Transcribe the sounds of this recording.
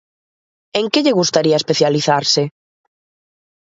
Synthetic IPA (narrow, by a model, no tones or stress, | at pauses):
eŋkeʎeɣust̪aɾiaespeθjaliθaɾse